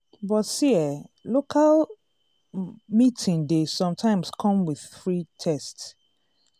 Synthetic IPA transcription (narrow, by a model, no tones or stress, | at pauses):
bɔtsiɛlokʰal | mitʰĩndesɔ̃mtʰãɪ̃mskʰɔ̃mwið̥fɹitʰɛsts